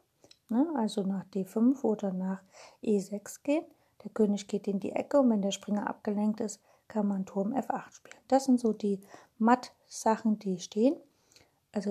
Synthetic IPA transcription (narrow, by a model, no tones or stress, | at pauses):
nəʔalzonaːχd̥eːfʏnfʔoːdɐnaːχʔeːzɛksɡ̥eːən | d̥eːɐkʰøːnɪçɡ̥eːtɪndḭːʔɛ̰kəʊntvɛndeːɐʃpʁ̥ɪŋɐʔa̰p̚ɡ̥əlɛŋk̚tɪst | kʰanmantʰʊɐmʔɛ̰fʔaχtʃpiːlənd̥asz̥ɪntz̥oːdiː | mat | z̥aχn̩diːʃtʰeːən | ʔalzo